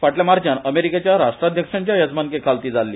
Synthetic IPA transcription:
ʋaʈljamaɾd͡ʑanəmeɾiket͡ɕjaɾaʂʈɾad̪ʱjəkʂaɲt͡ɕjajəd͡zmaŋkekʰalt̪iːd͡zalːḭː

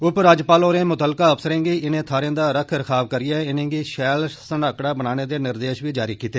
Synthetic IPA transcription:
ʊpɾaːd͡ʒpaːloːɾẽːmʊt̪əlkaːəpsəɾẽːɡiːʔɪnẽːt̪ʰaːɾẽːd̪aːɾəkʰɾəkʰaːʋkəɾɪjaːɪnẽːɡiːʃɛːlsənaːkɽaːbənaːneːd̪eːnɪɾd̪eːʃʋiːd͡ʒaːɾiːkiːt̪eː

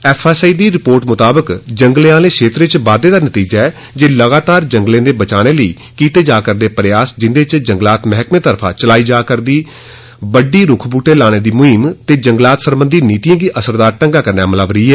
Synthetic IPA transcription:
ɛːpʰaːsaːiːd̪iːɾɪpoːɾʈmʊt̪aːbəkd͡ʒəŋɡleãːleːʃʰeːt̪ɾɪt͡ʃbaːd̪eːd̪aːnət̪iːd͡ʒaːɛː | d͡ʒeːləɡaːt̪aːɾd͡ʒəŋɡlẽːd̪eːbət͡ʃaːñeːləḭː | kiːt̪eːd͡ʒaːkəɾd̪eːpəɾɪjaːsd͡ʒɪnd̪eːt͡ʃd͡ʒəŋɡlaːt̪mɛɦkmẽːt̪əɾpʰa̰ːt͡ʃəlaːiːd͡ʒaːkəɾd̪iː | bəɖiːɾʊkʰbuːʈeːlaːɽ̃eːd̪iːmʊɦɪmt̪eːd͡ʒəŋɡlaːt̪səɾbənd̪iːniːt̪ijãːɡiːʔəsəɾd̪aːɾʈəŋɡaːkəɾnaːmələʋɾiːɛː

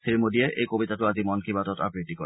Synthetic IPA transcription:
sʰiɾmodieʔḛjkobit̪atuazimɔnkʰibatɔta̰pɹitikɔ

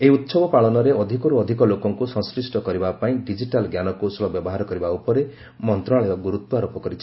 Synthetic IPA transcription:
eiut̪sɔbɔpaɭɔnɔɾeʔɔd̪ʱikɔɾuɔd̪ʱikɔlokɔŋkusɔŋskɾisʈɔkɔɾibapaĩɖid͡ʒiʈalɡjanɔkusɔɭɔbjɔbɔɦaɾɔkɔɾibaupɔɾe | mɔnt̪ɾɔaɭɔjɔɡuɾut̪wɔaɾopɔkɔɾit͡ʃʰi̥

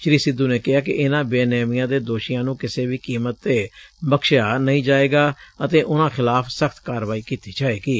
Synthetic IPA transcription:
ʃɾiːsɪd̪uːneːkɪɦaːkɪ̰ʔɪnãːbeːnɛːmɪjãːd̪eːd̪oːʃijãːnũːkɪseːʋiːkiːmət̪ːeːbəkʃjaːnəĩːd͡ʒaːeːɡaːət̪eːʔʊnãːxʰɪlaːpʰsəkʰt̪kaːɾʋaːiːkiːt̪iːd͡ʒaːeːɡiː

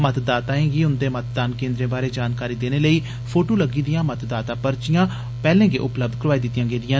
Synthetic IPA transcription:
mət̪d̪aːt̪aːẽːɡiːʊnd̪eːmət̪d̪aːnkẽːnd̪ɾẽːbaːɾeːd͡ʒaːnkaːɾiːd̪eːneːləiː | pʰoːʈoːləɡiːd̪ɪjãːmət̪d̪aːt̪ãːpəɾt͡ʃɪjãː | pɛːlẽːɡḛːʔʊpləb̚d̪̚kəɾʋaːiːd̪ɪt̪ːijãːɡeːd̪ɪjãː

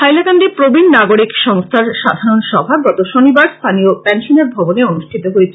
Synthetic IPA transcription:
pʰajlakaɳɖepɾobʱinːaɡoɾikʃɔŋst̪ʰaɾʃad̪ʱaɾonʃɔbʱaɡɔt̪oʃonibaɾst̪ʰaniopɛnʃoneɾbʱɔboneonuʃʈʰit̪oɦoet͡ɕʰe

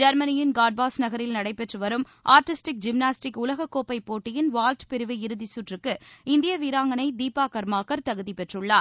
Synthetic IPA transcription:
d͡ʒɐɾmɐnɪjɪnɡaːɖ̚baːsnɐɣɐɾɪlnɐɽɐɪpːɛʈrɯʋɐɾɯm | ʔaːɾʈɪsʈɪk̚d͡ʒɪmnaːsʈɪkʊlɐɣɐkːoːpːɐɪpːoːʈːɪjɪnʋaːlʈpɪɾɯʋɯɪɾɯðɪsuʈrɯkːɯɪnd̪ɪjɐʋiːɾaːŋɡɐnɐɪd̪iːpaːkɐɾmaːkɐɾt̪ɐɣɯðipɛʈrɯɭːaː

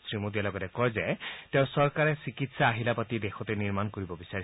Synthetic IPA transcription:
sɹimodialɔɡɔtɛkɔjzɛteʊ̃sɔɹkaɹɛsikitsaːɦilapatidexɔtɛniɹmankoɹibɔbisais

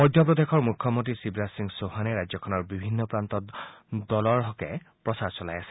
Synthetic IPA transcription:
mɔjd̪ʱjɔp̬ɹɔd̪ekʰɔɹmukʰjɔmontisibɹasiŋsoɦanɛɹajzɔkʰɔnɔɹbibʱinːɔpɹant̪ɔtdɔlɔɹɦɔkɛ | pɹɔsaɹsɔlajasɛ̥

